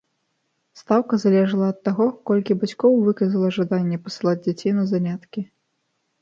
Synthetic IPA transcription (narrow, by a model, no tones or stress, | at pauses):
st̪awkɐzalʲɛʐɐlˠɐːt̪ːaɣɔkɔlʲkʲibat͡sʲkɔwvɨkɐzɐlˠɐʐad̪anʲːɛpɐ̥sɨlˠad͡zʲd͡zʲat͡sʲejnɐzanʲat̪kʲi